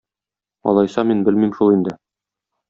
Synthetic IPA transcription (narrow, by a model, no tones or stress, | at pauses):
ɒ̰lˠɑjsɑminbɘlmimʃulˠind̪ɘ